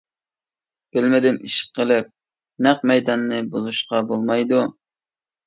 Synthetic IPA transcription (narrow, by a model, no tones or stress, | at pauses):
b̥ɪlmɪd̪ɪmiʃqːəlˠɪp̚ | næq̚mɛjd̪ɑnːɨbozuʃqɑbolˠmɑjd̪u